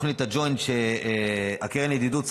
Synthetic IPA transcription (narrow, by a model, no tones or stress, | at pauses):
χnit̪ad͡ʒojnʃe | akeʁened̪id̪us